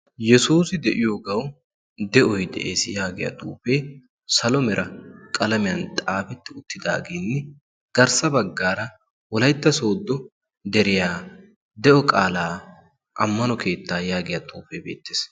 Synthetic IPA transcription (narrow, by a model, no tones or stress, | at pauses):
jɛsuːsɪd̪ɛʔɪjoːɡɐw | d̪ɛʔɔjd̪ɛ̰ʔḛːsɪjaːɡɪjɐ̰t̪ʼṵːfeː | sɐlɔmɛɾʔɐkʼɐlɐmɪjɐnt̪ʼaːfɛt̪ːɪʊt̪ːɪd̪a̰ːɡeːnːɪ | ɡ̥ɐɾsɐbɐɡːaːɾɐ | wɔlɐjt̪ːɐso̞ːd̪ːɔ | d̪ɛɾɪjaː | d̪ɛʔɔkʼaːlaː | ʔɐmːɐnɔkʰe̞ːt̪ːaːjaːɡɪjɐt̪ʼuːfebe̞̰ːt̪ːe̥ːs